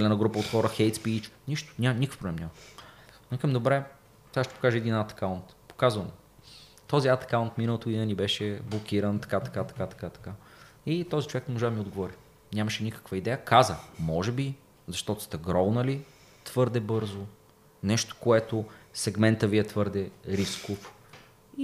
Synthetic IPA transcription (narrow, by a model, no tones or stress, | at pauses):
ɛlɛnəɡɾupəot̪xɔɾəxɛjt̪spit͡ʃniʃt̪o̥nʲanʲikə̥fpɾoblɛmnʲɲamɐnikəmd̪obɾɛ | t̪aʃt̪ɛpo̥kaʒəɛd̪inat̪ɐ̥kaʊnt̪po̥kazvəno | t̪ɔziat̪ɐ̥kaʊnt̪minɐlˠot̪oinɛnibɛʃɛblˠokʲiɾənt̪ɐ̥kat̪ɐ̥kat̪ɐ̥at̪ɐ̥kat̪ɐ̥kait̪ɔzit͡ʃovɛknɛmoʒad̪ɐmiod̪̚ɡovɔɾi | nʲaməʃɛnʲikə̥kvəid̪ɛjəkazəmɔʒɛbi | zɐʃt̪ɔt̪ʊ̥st̪ɛɡɾɔwnəli | t̪v̥ɤɾd̪ɛbɤɾzo | nɛʃt̪o̥koɛt̪osɛɡmɛnt̪əviɛt̪vɤɾd̪ɛɾiskof | i